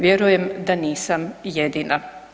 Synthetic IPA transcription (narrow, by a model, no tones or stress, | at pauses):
ʋjeɾuje̞md̪aniːsamjed̪iːna